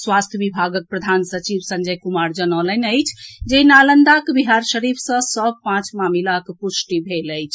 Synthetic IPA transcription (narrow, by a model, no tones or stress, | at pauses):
swast̪ʰjəbibʱaɡək̚pɾəd̪ʱansət͡ʃibsə̃nd͡ʒəjkumaɾd͡ʒənələnəjt͡ʃʰd͡ʒenalənd̪akebiɦaɾʃəɾipʰsə̃səb̚ʱpãt͡ʃmamilakepusʈibʱeləjt͡ʃʰ